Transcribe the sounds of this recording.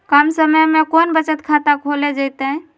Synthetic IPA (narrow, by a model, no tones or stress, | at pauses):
kamsəməjmekonbət͡ʃət̪kʰat̪akʰoled͡ʒəjt̪ə